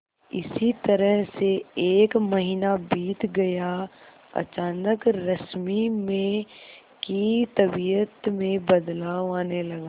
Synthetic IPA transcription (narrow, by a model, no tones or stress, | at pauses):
ɪ̰sit̪ɐɾəɦseeːkmɐɦiːnabiːt̪ɡɐja | ɐ̰t͡ʃaːnəkɾɐsmimẽ | kit̪ɐbiːjət̪mẽbɐd̪laːaːnelɐɡaː